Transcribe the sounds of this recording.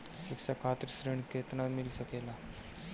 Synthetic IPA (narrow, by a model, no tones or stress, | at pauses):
ɕikɕakʰat̪ɾisɾiɳket̪namilsəkela